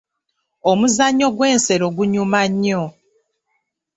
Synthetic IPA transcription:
omuzaɲːo̞ɡwe̞ːnse̞ɾo̞ɡuɲumaɲːo

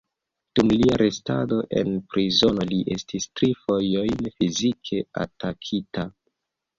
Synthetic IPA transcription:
d̥umliaɾe̞sta̰do̞ʔe̞̰npɾizo̞no̞liʔe̞stistɾifo̞jo̞jnfizikʰe̞a̰takʰita

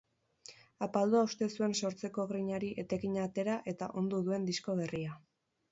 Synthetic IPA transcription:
apald̪uaust̪e̞sue̞nso̞ɾt͡se̞ko̞ɣɾiɲaɾiʔe̞t̪e̞kiɲat̪e̞ɾaʔe̞t̪a̰ʔo̞nd̪uðue̞nd̪iskoβe̞ria

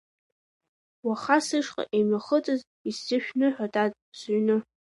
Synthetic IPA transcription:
waχasɨʂqʼa̰ʔejmaχət͡sʼɨz | isːɨʃᶣnɨħʷᶣatʼatʼsɥnɨ

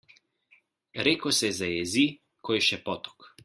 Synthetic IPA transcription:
ɾɛkɔsɛzajɛzi | kʰɔjʃɛpɔt̪ɔ̥k

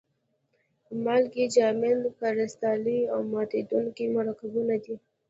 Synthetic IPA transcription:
mɑlkid͡ʒɑmɪlkaɾɪst̪ɑliawmɑt̪ed̪uŋkimaɾɑkazunad̪i

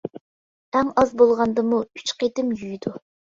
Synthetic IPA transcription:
æŋɑzbolˠʁɑnd̪ɨmuy̥t͡ʃqet̪ɪmjyjd̪u

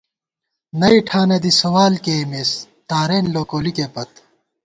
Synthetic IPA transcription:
nɐiʈʰaːned̪isɐwaːlkemes | t̪aːɾeːnloːkoːlikeːpɐt̪

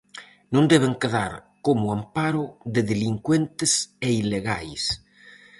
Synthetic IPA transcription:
nõnd̪ɛβeŋkeðaɾ | komʊampaɾʊðɪðeliŋkwent̪eseileɣa̰js

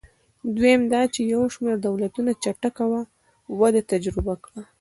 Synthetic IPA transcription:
d̪wemd̪ɑt͡ʃejawʃmeɾd̪awlat̪unat͡ʃaʈakawa | wad̪at̪ad͡ʒɾɪbakɽa

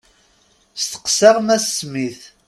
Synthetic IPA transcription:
st̪ə̥qsæʁmæsːmiθ

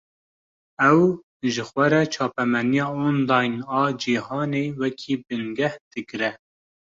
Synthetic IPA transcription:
ɛw | ʒɨxʷɛɾɛt͡ʃʰɑːpɛmɛnijɑːonlɑjnɑːd͡ʒihɑːneːwɛkʰiːbɨnɡɛhd̪̥ɨkɾɛ

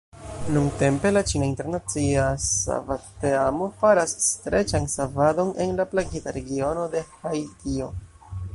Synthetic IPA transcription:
nunte̞mpe̞lat͡ʃinainte̞ɾnat͡siasa̰vateamo̞faɾasːtɾe̞t͡ʃansavado̞ne̞̰nlaplaɡitaɾe̞ɡio̞no̞de̞hajtio̞

